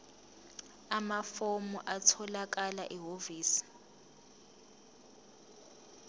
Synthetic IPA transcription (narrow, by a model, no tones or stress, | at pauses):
amafomuʔatʰɔlak̬alaʔiɦoviːsi̥